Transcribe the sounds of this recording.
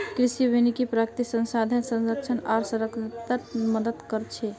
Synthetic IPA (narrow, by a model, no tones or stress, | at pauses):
kɾisibenikipɾakt̪isə̃nsad̪ʱənsə̃nsək̚t͡ʃʰənaɾsəɾəkt̪at̪məd̪ət̪kəɾt͡ʃʰɛ